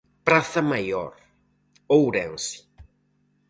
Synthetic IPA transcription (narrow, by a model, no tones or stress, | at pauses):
pɾaθɐmajɔ̰ɾ | owɾɛ̃nsi̥